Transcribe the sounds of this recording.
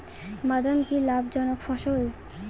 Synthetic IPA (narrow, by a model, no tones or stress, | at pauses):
mad̪amkilabd͡ʑɔnokfɔʃol